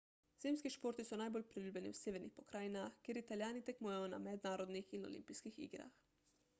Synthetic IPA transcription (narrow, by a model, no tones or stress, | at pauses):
z̥eːmskiʃpoːɾt̪isɔnaːjbolpɾilʲuːblʲɛnḭwseːʋɛɾnixpɔkɾaːjnaxkeːɾit̪aljaːnit̪ɛkmujɛjɔna̰mɛd̪naːɾɔd̪nixinɔ̰lḭmpiskixḭɡɾa̰x